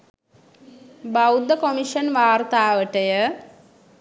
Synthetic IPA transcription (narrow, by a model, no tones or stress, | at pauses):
bawd̪əkomiʃənʋaːrt̪aːʋəʈəjə